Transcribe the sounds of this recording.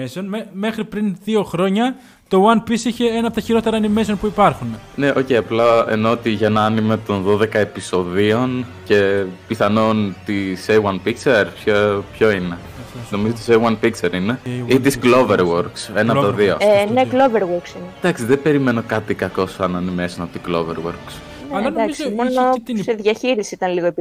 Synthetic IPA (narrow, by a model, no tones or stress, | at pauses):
esonmeme̞xɾipɾinðio̞xɾo̞ɲɐ | t̪o̞wɐnpisiçe̞enɐpot̪ɐçiɾo̞t̪eɾɐːnime̞sionpuipɐɾxunene̞ʔo̞cejɐplɐḛnoot̪iʝɐenɐɐnimet̪o̞nðo̞ðe̞kɐe̞piso̞ðio̞nce̞piθɐno̞nt̪isewɐnpikseɾpçopçoine̞ | no̞mizot̪isewɐnpikseɾineit̪isɡlo̞veɾwoɾkse̞nɐt̪oðio̞̰nekloveɾwoɾksined̪ɐksiðebe̞ɾime̞no̞kɐt̪ikɐko̞sɐnɐnimesinɐot̪iɡlo̞vḛɾwoɾks | neɐld̪ɐksimonopseðʝɐçiɾisisit̪ɐnliɣoep